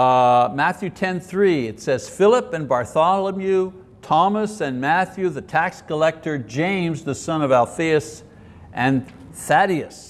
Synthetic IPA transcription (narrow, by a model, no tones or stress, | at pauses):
mæθjʉtʰɛ̃nθɹiɪtsɛz̥fɪlˠəpɨ̃nbɑɹθɑlˠəmjʉ | tʰɑməsɨ̃nmæθjʉðɨtʰækskəlɛk̚tə˞d͡ʒẽɪ̃mzðɨsʌ̃nʌvælˠθiɨs | ʔɨ̃n | θæɾiɨs